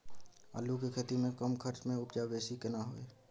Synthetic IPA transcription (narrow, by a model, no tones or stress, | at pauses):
ə̰ːlukekʰet̪imẽkəmkʰəɾt͡ʃmẽʊpd͡ʒabeːsikɪnaɦoːḛː